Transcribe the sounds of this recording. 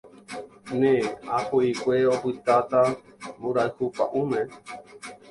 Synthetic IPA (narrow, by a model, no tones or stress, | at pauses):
nẽahuikʷeopɨt̪at̪ambuɾaɨhupa̰ʔũmẽ